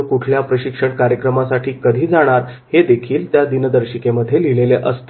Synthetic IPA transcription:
kuʈʰljapɾəɕikʂəɳkaɾjəkɾəmasaʈʰiːkəd̪ʱiːd͡zaɽ̃aɾhed̪ekʰiːlt̪jad̪inəd̪əɾɕikeməd̪ʱːjelileleʔəst̪

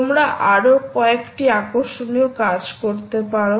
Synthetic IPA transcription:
omɾaʔaɾokɔekʈiakoʃoniokad͡ʑkoɾt̪epaɾo

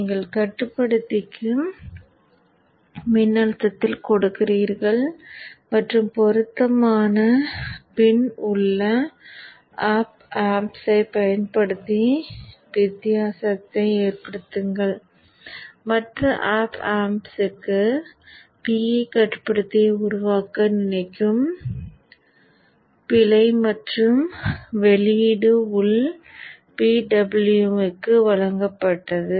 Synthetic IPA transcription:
niːŋɡɐɭkɐʈːɯpːɐɽɯt̪ːɪkːɯ | mɪnːɐɻɐt̪ːɐt̪ːɪlkɔɽɯkːɪriːɾɣɐɭmɐʈrɯmpɔɾɯt̪ːɐmaːnɐpɛnʊɭːɐ | aːp̚ | aːmsɐɪpɐjɐnpɐɽɯt̪ːiʋɪt̪ːɪjaːsɐt̪ːɐɪeːrpɐɽɯt̪ːɯŋɡɐɭ | mɐʈrɐʔaːpaːmsɯkːɯ | piːikɐʈːpːɐɽɯt̪ːiʊɾʊʋaːkɐnɪnɐɪkːɯm | pɪlɐɪmɐʈrɯmʋɛliɽɯʊɭ | piːɖɐbɐɭjuɯkːɯʋɐɭɐŋɡɐpːɐʈːɐðɯ

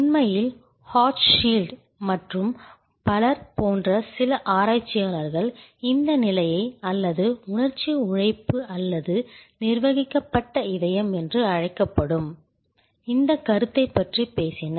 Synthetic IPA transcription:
ʊnmɐjɪl | haːʈʂiːlɖ | mɐʈrɯm | pɐlɐɾpoːndrɐsɪlɐʔaːɾaːt͡ʃːɪjaːlɐɾɣɐɭɪnd̪ɐnɪlɐjɐɪɐlːɐðɯʊɳɐɾt͡ʃiʊɻɐɪpːɯʔɐlːɐðɯnɪɾʋɐɣɪkːɐpːɐʈːɐɪðɐjɐmɛndrɯɐɻɐɪkːɐpːɐɽɯm | ɪnd̪ɐkːɐɾɯt̪ːɐɪpːɐʈripeːsɪnɐɾ

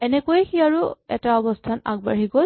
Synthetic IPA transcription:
ɛnɛkojɛxiaɹʊɛ̰taɔbɔstʰana̰ɡ̚baɹiɡol

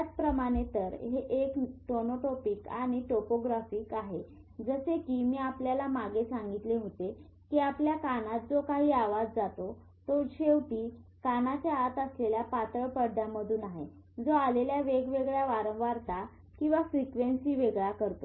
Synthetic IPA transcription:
at͡spɾəmaɽ̃et̪əɾɦeʔekʈonoʈopikaɽ̃iʈopoɡɾafiːkaɦe | d͡zəsekiːmiːapljalamaɡesaŋɡit̪leɦot̪e | kiːapljakanat̪̚d͡zokaɦiːaʋad͡zd͡zat̪o | t̪oɕewʈ̪iːkanat͡ɕjaːt̪əsleljapat̪ɾəpəɽɖ̪ʱaməd̪ʱuːnaɦe | d͡zoaleljaʋeɡʋeɡɭjaʋaɾəŋɡʋaɾt̪a | kĩw̃ʋafɾikʋensiːʋeɡɭakəɾt̪o

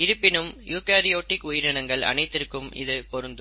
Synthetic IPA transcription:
ɪɾɯpːɪnɯmjuːkaːɾɪjoːʈːɪkʊjɪɾɪɳɐŋɡɐɭɐ̰nɐɪt̪ːɪɾɯkːɯmɪ̰ðɯpɔɾɯnd̪ɯ

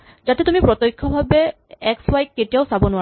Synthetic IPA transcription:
d͡ʒat̪et̪umipɾɔt̪ojkʰːɔbʱabe | ɛkswajkːeʈijaoʊsabɔnua

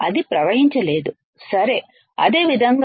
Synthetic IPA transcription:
ɐd̪ipɾɐʋɐɦiɲt͡ʃɐle̞ːd̪u | sɐɾe̞ | ɐ̰d̪e̞ːʋid̪ʱɐŋɡ

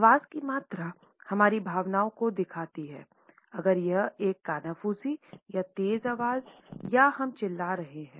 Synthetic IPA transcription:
ʋaːzkimaːt̪ɾa | hɐmaːɾibʱaːʋnaːõkod̪ɪkʰaːt̪iɦɛ̰ː | ɐɡəɾjɐeːkːaːnaːfuːsijat̪eːzaːʋaːzjahɐmt͡ʃɪlːaɾɐɦeɦɛ̃ː

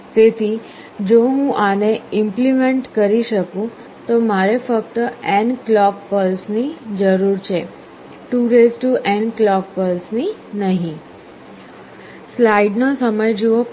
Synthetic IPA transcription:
t̪et̪ʰi | d͡ʒoɦũʔaneɪmplimeɳʈkəɾiʃəkũ | t̪omaɾefəkt̪əɛnklɔk̚pəlsnid͡ʒəɾuɾt͡ʃʰe | ʈuɾezʈuʔɛnklɔk̚pəlsninəɦĩ | slaiɖnosəməjd͡ʒuʋo

